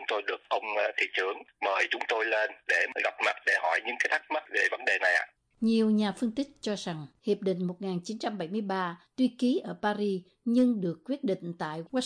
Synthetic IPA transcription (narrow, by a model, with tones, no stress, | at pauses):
ʊ˦ŋ͡mt̪o˧jɗɨ˨˩ək̚ʔə˧wŋ͡mt̪ʰḭ˧˨t͡ɕɨ˧˩əŋməː˨˩jt͡ɕʊ˨˦ŋ͡mt̪o˧jle˧nɗe˧˩ɣa˨˩wp̚ma˨˩t̚ɗe˧˩hɔ˧˩jɲɨ̰˧ŋkaː˨˦jt̪ʰa˦˥k̚ma˦˥t̚ve˧˩və˨˦nɗe˨˩na˨˩jʔa̰ː˨˩ | ɲi˨˩əwɲaː˨˩fɨ˧əŋt̪ï˦˥k̟̚t͡ɕɔ˧za˨˩ŋhi˨˩əp̚ɗḭ̈˧˨ŋ̟mo˨˩t̚ŋaː˨˩nt͡ɕi˨˦nt͡ɕa˧mɓa˧˩jmɨ˧əjɓaː˧t̪wi˧ki˨˦ʔəː˧˩paː˧ɾi˧ | ɲɨ˧ŋɗɨ˨˩əkːwi˦˥ət̚ɗḭ˧˨ŋ̟t̪a̰ː˧˨jwaː˦˥